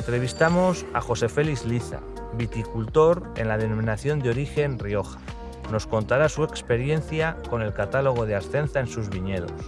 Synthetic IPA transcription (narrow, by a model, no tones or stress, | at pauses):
ent̪ɾe̞β̞ist̪amo̞sa̰xo̞se̞fe̞lizliθa̰ | βit̪ikult̪o̞ɾe̞̰nlaðe̞nomĩnaθjo̞nd̪eo̞ɾixe̞nrio̞xḁ | no̞sko̞nt̪aɾasue̞kspe̞ɾje̞n̟θjako̞ne̞lkat̪alo̞ɣ̞o̞ð̞eaɾθe̞n̟θae̞nsuzβiɲe̞ð̞o̞̰s